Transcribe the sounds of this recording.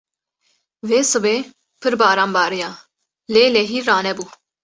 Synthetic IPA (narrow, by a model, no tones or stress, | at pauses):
veːsɨbeː | pʰɨɾbaːɾaːmbaːɾijaː | leːlɛɦiːaːnɛbuː